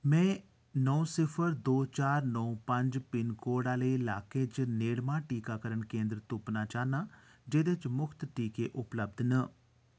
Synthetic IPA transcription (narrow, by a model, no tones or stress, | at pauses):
mɛ̃ː | nɔũsɪpʰəɾd̪oːt͡ʃaːɾnɔũpə̃ɲd͡ʒpɪnkoːɽaːleːla̰ːkeːt͡ʃneːɽmãːʈiːkaːkəɾəɳkẽːnd̪ɾt̪ʊpnaːt͡ʃaːnaːd͡ʒeːd̪et͡ʃmʊkʰt̪ʈiːkeːʔʊpləb̚d̪nə